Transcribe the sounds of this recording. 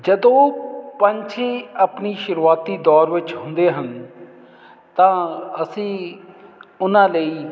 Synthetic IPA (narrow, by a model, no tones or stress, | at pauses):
d͡ʒəd̪õːpəɲt͡ʃʰeəpniːʃʊɾuːaːt̪iːd̪ɔːɾʋɪt͡ʃɦʊ̃nd̪eːɦən | t̪ãːəsĩː | ʊnãːləiː